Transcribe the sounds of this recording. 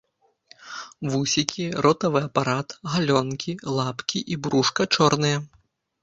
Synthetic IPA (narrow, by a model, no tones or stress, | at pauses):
vusʲikʲiɾɔt̪ɐvɨɐpaɾat̪ɣalʲɔnkʲilˠapkʲiʔibɾuʂkɐt͡ʂɔrnɨjɐ